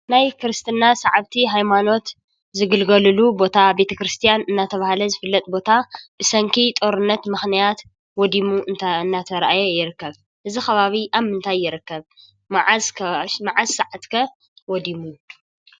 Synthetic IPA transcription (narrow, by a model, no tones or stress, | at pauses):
najkʰɨɾɨst̪ʰɨnːasaʕaβt̪ʰiɦajmano̞t̪ | zɨɡɨlɡɐlɨlubo̞t̪ʰabe̞t̪ʰɐkɾɨst̪ʰijanɨnːat̪ʰɐβahalɐzɨfɨlːɐt̪ʼbo̞t̪ʰabɨsɐŋkʰit̪ʼo̞ɾɨnːɐt̪mɨxnijat̪ | wɔd̪imuɨɨnːat̪ʰɐɾʔajɛjɪɾɨkːɐβ | ʔɨzixɐβaβiʔaβmɨnt̪ʰajːɪɾɨkːɐβ | maʕkʰɐmaʕazsaʕat̪kʰɐ | wɔd̪imu